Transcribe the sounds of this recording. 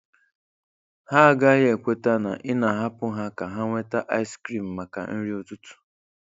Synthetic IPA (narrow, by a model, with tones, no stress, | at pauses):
ha˦˨ɡa˦ɣe˨kʷe˦ta˦na̰˨ʔɪ˦na˨ɦa˦pʊ˦ɦa˦ka˨ɦa˦ŋʷe˦ta˦ʔa˦ɪ˦skɾi˦˨m̩˨ma˨ka̰˨n̩˦ɾi˦o˨tu˦tu̥˨